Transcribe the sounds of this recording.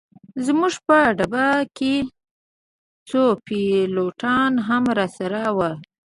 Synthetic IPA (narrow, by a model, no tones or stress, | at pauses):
zmuʐpəɖabake | t͡sopiloʈɑnɦamɾɑsaɾawa